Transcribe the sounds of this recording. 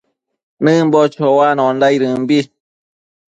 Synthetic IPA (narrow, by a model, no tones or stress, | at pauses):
nɨ̃mbot͡ʃowanõnd̪ajɾɨmbi